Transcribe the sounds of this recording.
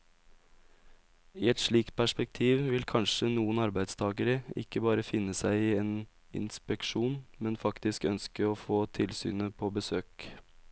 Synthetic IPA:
iːɛt̪ʂɭiːk̚t̪̚pʰæʂpɛk̚t̪ʰiːʋʋɪlkʰɑnʂənuːənɑɾbæɪd̪st̪ʰɑːɡəɾəɪ̰kːəbɑːɾəfɪnːəsæɪiːeːn | ɪ̰nspɛkʂuːnmɛnfɑkt̪ɪskœnskəɔfoːt̪ʰɪlsy̰ːnəpʰɔbəsøːk

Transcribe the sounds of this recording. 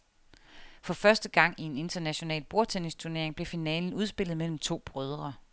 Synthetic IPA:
fɒ̽fɶɐsd̥əɡ̥ɑ̈ŋ̰ie̝ne̝nd̥ɐnæɕo̝nɛ̰ːlb̥o̝ɐt͡sʰenist͡sʰuɐne̝ɐe̝ŋb̥le̝finɛːln̩uð̞ˠsb̥e̝l̰ð̩ˠmel̰m̩t͡sʰo̝̰ːb̥ʁœð̞ˠʁɐ

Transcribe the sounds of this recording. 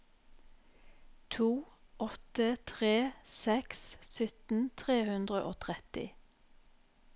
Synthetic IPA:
t̪ʰuːʔɔt̪ət̪ʰʁeːsɛkssʏt̪n̩t̪ʰʁeːhʉnd̪ʁəʔoːt̪ʰʁɛt̪ɪ̰

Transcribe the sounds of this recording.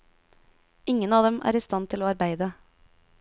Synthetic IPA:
ɪŋənɑːd̪ɛmʔæ̰ːɾiːst̪ɑnt̪ʰɪloːɑɾbæɪd̪ə

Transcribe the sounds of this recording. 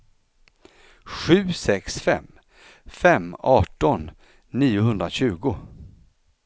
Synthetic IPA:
ɧʉ̟ːsɛksfɛ̰mː | fɛmːɑːʈɔnː | iːʊhɵnd̪ɾaɕʉ̟ːɡʊ

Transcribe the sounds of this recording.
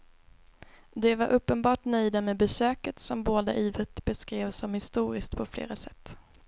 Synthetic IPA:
d̪ɛvaɾʔɵpːənbɑːʈnœjd̪amɛbɛsøːkət̪sɔmboːd̪a̰ʔiːvət̪bɛskɾeːvsɔmhɪst̪uːɾɪskt̪pʰɔflḛːɾasɛt̪ː

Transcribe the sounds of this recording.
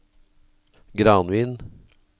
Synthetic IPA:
ɡɾɑːnʋiːn

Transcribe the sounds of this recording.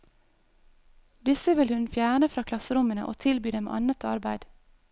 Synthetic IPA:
d̪ɪsəʋɪlhʉnfjæːɳəfɾɑːkʰlɑsəɾʊmənə̰ʔo̰ːt̪ʰɪlbyːd̪ɛmḛʔɑnət̪ʰɑ̰ɾbæɪd̪̥

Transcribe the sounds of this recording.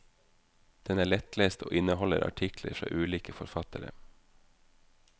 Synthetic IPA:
d̪̥ɛnæːɭɛt̪leːst̪ʰo̰ːʔɪnəhɔləɾɑ̰ʈʰɪkləɾfɾɑ̰ːʔʉːliːkəfɔɾfɑt̪əɾə̰

